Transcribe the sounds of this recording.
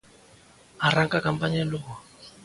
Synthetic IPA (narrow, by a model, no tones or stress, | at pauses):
araŋkʼakampaɲalɔːwa